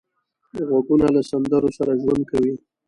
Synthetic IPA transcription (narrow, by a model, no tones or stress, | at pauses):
ɣwaɡunalasand̪əɾosaɾaʒwand̪̚kawi